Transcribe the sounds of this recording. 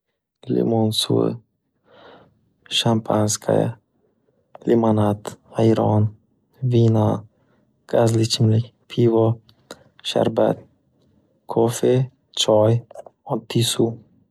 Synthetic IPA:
lḭmunsṵ | ʃampʰanskʰa̰j̰ | limanat̪ajɾɔ̰n | vina | kazlit͡ʃimlik | pʰivɔ | ʃa̰ɾba̰t̪̚ | kʰofe | t͡ʃɔjɔt̪isu

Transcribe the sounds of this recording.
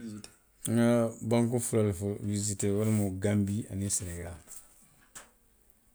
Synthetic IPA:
ŋabãŋkufulalfuvizitewalmuɡambia̰nisineɡa

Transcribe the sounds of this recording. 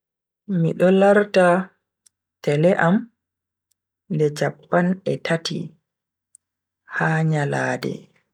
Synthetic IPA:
miɗɔlaɾta | tɛlɛʔam | ndɛd͡ʒapːanɛtʰatḭ | haːɲalaːdɛ̰

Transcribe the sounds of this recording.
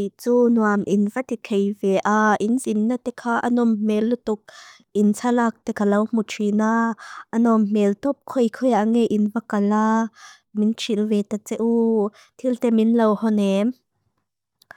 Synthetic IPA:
it͡suːnuamʔinvat̪ikʰejvɛʔaʔinzinːat̪ɛkʰaːʔa̰nɔmmɛlːut̪ʊk̚ | ʔint͡sʰalak̚t̪ɛkʰalɐwm̥ut͡ʃʰinaʔanɔmmɛlt̪ɔp̚kʰɔjkʰɔjaʔŋejʔinvakala | mint͡ʃʰilvɛt̪at͡sɛʔu | t̪ʰilt̪ɛminlɐwhɔnɛm

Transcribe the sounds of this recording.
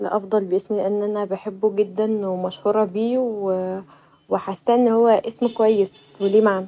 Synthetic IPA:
lʔɑ̰fd̪ˤɑlbeʔesmilʔænːʔænæbeħebːuɡed̪ːænmæʃhuːɾˤɑbiːwe | weħasːæʔenːhowːæʔesmkowæjːes | weliːmaʕnæ

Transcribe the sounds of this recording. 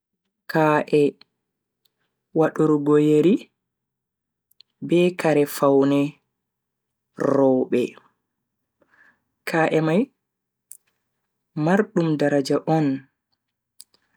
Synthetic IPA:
kaʔɛ | waɗuɾɡojeɾi | bɛkaɾɛfawnɛ | rɔɓɛ̰ | kʰaːʔɛmaj | maɾɗumdaɾad͡ʒaʔɔn

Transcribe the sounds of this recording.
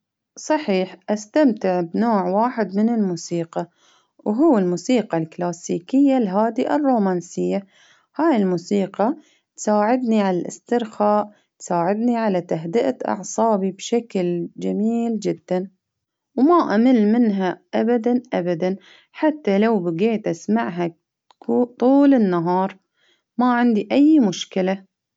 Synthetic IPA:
sˤɑħiːħʔast̪amt̪ɪʕbnoːʕwaːħɪd̪mɪnɪlmuːsiːqɑ | wɦuːɪlmuːsiːqɑlklaːsiːkɪjːalɦaːd̪iʔɪrːuːmaːnsɪjːa | haːjɪlmuːsiːqɑ | t̪saːʕɪd̪niʕalalʔɪ̰st̪ɪɾxaːʔ | t̪saːʕɪd̪niʕalat̪aɦd̪ɪʔat̪ʔɑ̰ʕsˤɑːbibʃakld͡ʒamiːld͡ʒɪd̪ːan | wmaʔamɪlːmɪnɦaʔabad̪anʔabad̪an | ħat̪ːalawbɪɡeːt̪ʔasmaʕɦa | ut̪ˤuːlɪnːaɦɑːɾˤ | maʕɪnd̪iʔajːmʊʃkɪla

